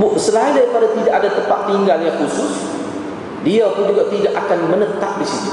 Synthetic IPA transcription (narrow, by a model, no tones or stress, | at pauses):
bʊʔsəlaindaɾipadat̪idaʔadat̪əmpaʔ̚t̪iŋɡaljãŋkusʊs | diapʊnd͡ʒuɡat̪idaʔakanmənət̪ap̚disit̪u̥